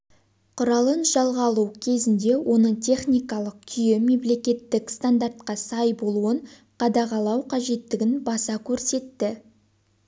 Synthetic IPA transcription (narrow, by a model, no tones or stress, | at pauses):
qʰʊɾɑlˠənʒɑlˠʁɑlˠuwkʲʰe̞zɪnd̪e̞wʔo̞nəɴt̪ʲʰe̞χnʲijkɑlˠəq̚kʲʰʏje̞me̞mle̞kʲe̞t̪ːɪkst̪and̪art̪̚qɑsɑjbo̞lˠuəɴ | qʰɑd̪ɑʁɑlˠɑwqʰɑʒe̞t̪ːɪɡʲɪnbɑsɑkʲʰɵɾse̞t̪ːɪ